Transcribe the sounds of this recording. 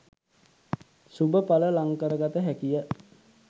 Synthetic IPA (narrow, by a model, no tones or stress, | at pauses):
subəpaləlaŋkəɾəɡat̪əɦækijə